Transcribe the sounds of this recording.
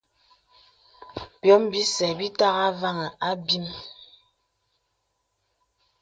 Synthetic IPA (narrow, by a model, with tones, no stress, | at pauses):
pjɔ˨˦mbi˦sɛ˨bi˦ta˦ɣa˦va˦ŋɛ˨ʔa˦bi˦m